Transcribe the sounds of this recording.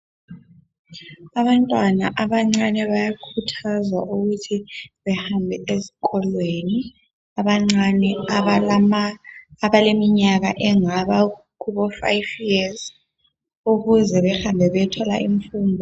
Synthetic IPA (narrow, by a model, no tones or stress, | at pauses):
aβantʼwanaʔaβaŋ͡ǀanɛβajakʰutʰazwa̰ʔuɣutʰiβɛhambʱɛezi̥kʼɔlweni | aβaŋ͡ǀanɛ | βalemiɲaɣaʔɛŋaβa | kuβɔfa̰jviaz | uɣuzɛβɛxambʱɛβɛtʰɔla̰ʔiɱfuːnbʱɔ